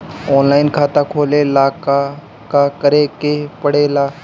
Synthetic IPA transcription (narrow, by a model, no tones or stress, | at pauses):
ɔːnlaːɪnkʰaːt̪akʰoːlelaːka | kakɐɾekepɐɽ̤elaː